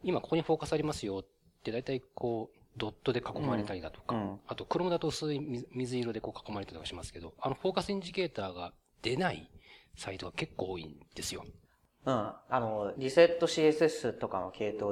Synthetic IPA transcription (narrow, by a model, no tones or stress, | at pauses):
imakokoɲ̟iɸo̞ːkasɨaɾʲimasɨjo̞t̪ː | e̞d̪ait̪aikʰo̞ːd̪o̞t̪ːo̞d̪e̞kako̞maɾe̞t̪aɾʲid̪at̪o̞̥kaat̪o̞kɯ̟ɾo̞mɯd̪at̪o̞ɯsɨiimʲizɨiɾo̞d̪e̞ko̞ːkḁko̞maɾet̪aɾtokːaɕimasɨ̥ke̞d̪o̞ano̞ɸo̞ːkasɨĩɲ̟d͡ʑike̞ːt̪aːɡa | d̪̥e̞naḭsait̪o̞ɡake̞kːo̞ːḭnd̪e̞sɨjo̞̰ | ɯ̟̃ano̞ɾʲise̞t̪ːo̞ɕiːesɨesɨt̪o̞kamokʰe̞ːt̪oː